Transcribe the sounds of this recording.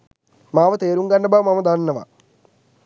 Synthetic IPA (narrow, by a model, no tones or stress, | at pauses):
maːʋɐt̪eːɾuŋɡɐɳɖɐbamɐmɐd̪annːɐʋa̰